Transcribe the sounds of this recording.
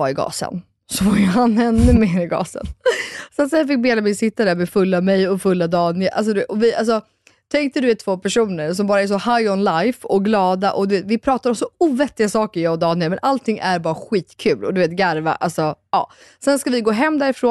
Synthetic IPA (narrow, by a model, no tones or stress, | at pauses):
aɪɡɑ̰ːsə̰n | sɔvajɦanɛnːʉmeːɾɪɡɑ̰ːsə̰nsat̪sɛfɪk̚beːlamɛsɪt̪ːad̪æɾmɛfɵlːamɛjɔfɵlːad̪ɑːnɪʔa̰ls̬ɔd̪ɔvɪʔals̬ɔ | t̪ʰɛŋk̚t̪əd̪ɵveːt̪ʰːvoːpʰæʂuːnəɾsɔmbɑːɾaɛʂ̬ɔhajɔnlajfɔɡlɑːd̪aʔɔd̪ɵveːt̪vɪpʰɾɑːt̪ad̪ɔmsɔuːvɛt̪ːɪɡasɑːkəɾjɑːɔd̪ɑːnɪmɛnʔalt̪ʰɪŋːʔæɾbɑːɾaɧiːt̪kʰʉ̟ːlɔd̪ɵveːt̪ɡaɾva̰ʔa̰lsɔɑ̰ː | sɛnskavɪɡoːɦɛmːd̪æɾɪfɾoː